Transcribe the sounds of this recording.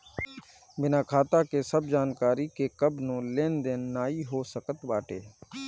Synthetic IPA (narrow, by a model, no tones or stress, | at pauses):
bɪnaːkʰaːt̪akesəbd͡ʒaːnkaːɾikekəbnõːlẽːnd̪ennaːiɦoːsəkət̪ʋaːʈḛː